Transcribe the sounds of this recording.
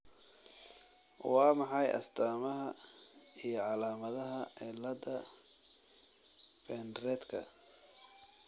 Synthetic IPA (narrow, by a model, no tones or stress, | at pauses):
wɑːmɑħɑjʔɐ̰st̪ʰaːmɐɦɐ | ijɞʕɑlaːmɐðɐɦɐɛlɐd̪ɐ | bɛnrɛːd̪kʰɐ̰